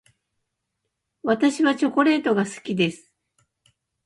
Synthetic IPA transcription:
βat̪aɕiβat͡ɕo̞ko̞ɾe̞ːt̪o̞ɡasɨ̥kʲid̪e̞sɨ̥

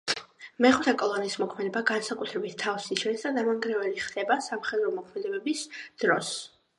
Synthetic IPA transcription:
mɛχut̪ʰɛkʼɔlˠɔniːsmɔkʰmɛd̪ɛbaɡansakʼut̪ʰɾɛbit̪ʰːafsiʃɛnsd̪ad̪amaŋɡɾɛvɛliχd̪̥ɛbasamχɛd̪ɾɔmɔkʰmɛd̪ɛbɛbisd̪̥ɾɔs

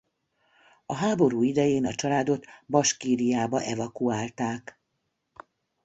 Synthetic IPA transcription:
ɒɦaːbo̞ɾuːid̪ɛjeːnɒt͡ʃɒlaːd̪o̞t̪bɒʃkiːɾijaːbɒʔɛvɒkuaːlt̪aːk

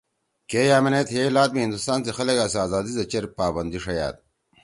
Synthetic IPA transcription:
keːjaːmenet̪heːlaːt̪̚miɦind̪ust̪aːnsexɐlɐɡaːsaːzaːd̪izɐt͡ɕeɾpaːbɐnd̪iʂɐja̰ːt̪̚

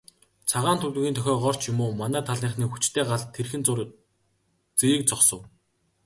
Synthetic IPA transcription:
t͡sʰaʁaːnt̪ʰɵt̪̆ːɣʲiːnt̪ʰœxʲɔːɢɔr̥t͡ɕjʊmoːmanæːt̪ʰaɮniːɴχniːxut͡ɕt̪ʰeːɢaɮt̪ʰːerxɘ̆nt͡sʊr | t͡siɾiːk̚t͡sʰɔχsɞ̆w

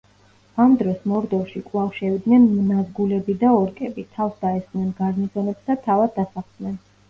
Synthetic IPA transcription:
amd̪ɾɔsmɔɾd̪ɔfʃikʼlˠafʃɛvid̪nɛnnazɡulɛbid̪aɔɾkʼɛbit̪ʰafsd̪aɛsχʼnɛnɡaɾnisɔnɛpsd̪at̪ʰavad̪̚ːasaχd̪nɛn

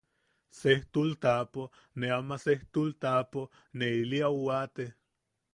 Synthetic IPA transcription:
seht̪ult̪apo | neamaseht̪ult̪apo | neiliauwat̪e

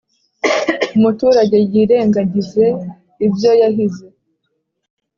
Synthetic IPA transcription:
umutuːɾaɟe̞jiːɾe̞ːŋɡaɟize̞ | ibjo̞jaɦize

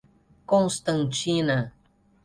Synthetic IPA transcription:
koŋst̪aŋt͡ʃina

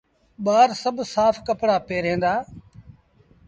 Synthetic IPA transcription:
ɓaːɾsəbʱsaːfʰkəpɽaːpeːɾɦẽːnd̪aː

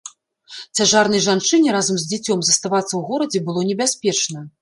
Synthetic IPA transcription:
t͡sʲaʐarn̪ɐjʐant͡ʂɨnʲɛɾazɐmzʲd͡zʲat͡sʲɔmzɐst̪avat̪sːɐwɣɔɾɐd͡zʲɛbɨlˠɔnʲɛbʲasʲpʲɛt͡ʂnɐ

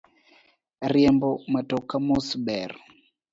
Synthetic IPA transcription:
ɾiɛmbɔmatɔkamɔsɓɛɾ

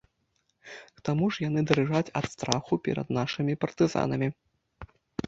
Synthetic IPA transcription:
t̪amuʐjan̪ɨd̪ɐɾɨʐat͡sʲɐt̪st̪ɾaxupʲɛ̰ɾɐ̰d̪naʂɨmʲipɐrt̪ɨza̰nɐmʲi

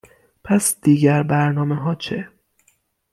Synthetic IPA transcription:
pʰæsd̪̥iːɟæɾbæɾnɒːmeɦɒːt͡ʃʰe

